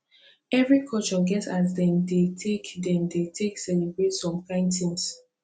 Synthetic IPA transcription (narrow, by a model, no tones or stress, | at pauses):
ɛvɹikʰɔt͡ʃɔɡɛtat̬dɛ̃ndetʰekdɛ̃mdetʰeksɛlibɹetsɔ̃mklãɪ̃ntʰĩŋs